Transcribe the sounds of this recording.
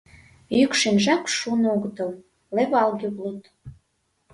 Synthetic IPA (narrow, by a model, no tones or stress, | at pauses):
jykʃenʒɑkʃunouɣət̪ɤ̆l | leβɑlɣʲiβlut̪